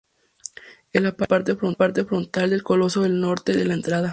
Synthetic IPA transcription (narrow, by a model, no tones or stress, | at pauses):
elapapaɾt̪e̞fɾonpaɾt̪e̞fɾo̞nt̪ald̪e̞lkolo̞so̞ðe̞lno̞ɾt̪e̞ðelaent̪ɾaða